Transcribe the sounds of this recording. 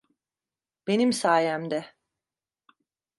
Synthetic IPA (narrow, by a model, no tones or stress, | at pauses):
b̥e̞nimsaːjæmd̪ɛ